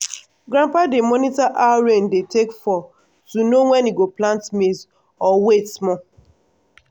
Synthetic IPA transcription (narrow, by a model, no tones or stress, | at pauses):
ɡɾãmpademɔnitaʔaɾẽndetekfɔ | tunowɛ̃niɡoplãntmes | ɔwetsmɔ